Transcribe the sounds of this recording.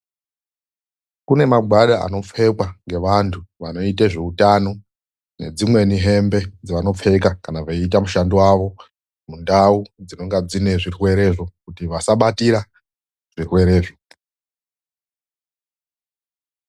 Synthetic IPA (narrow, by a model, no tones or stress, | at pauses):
kune̞maɡʱwaɗaa̰no̞p͡fe̞kwaŋɡe̞ʋantʰuʋano̞iteʐeutano̞ | ne̞̰d͡zimwe̞niɦe̞mbe̞d͡ziʋano̞p͡fe̞kakanaʋaiit̬amuʃandiwaʋo̞ | mundaud͡zino̞ŋɡad͡zine̞ʐirwe̞ɾe̞ʐo̞kutiʋasaɓatiɾa | ʐ̥irwe̞ɾe̞ːʐo